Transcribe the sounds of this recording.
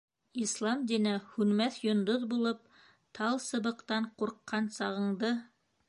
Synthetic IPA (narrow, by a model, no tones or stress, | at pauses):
islˠɑmd̪inɘhʉnmæθjŏnd̪oðbulˠɤp̚ | t̪ʰɑlˠsɤ̆bɤ̆qt̪ɑɴquɾqːɑnsɑʁɤ̆ɴd̪ɤ